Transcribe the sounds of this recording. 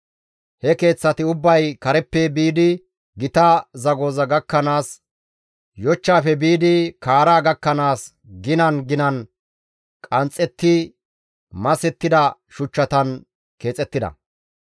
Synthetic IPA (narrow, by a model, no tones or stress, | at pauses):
hɛke̞ːt͡sːɐt̪ɪʊbːɐjkɐɾɛpːɛbiːd̪ɪ | ɡɪt̪ɐzɐɡo̞ːzɐɡɐkːɐnaːs | jɔt͡ʃːaːfɛbiːd̪ɪkaːɾaːɡɐkːɐnaːs | ɡɪnɐnɡɪnɐn | kʼɐnt͡sʼːɛt̪ːɪ | mɐsɛt̪ːɪd̪ɐʃʊt͡ʃːɐt̪ɐn | ke̞ːt͡sʼɛt̪ːɪd̪ɐ̰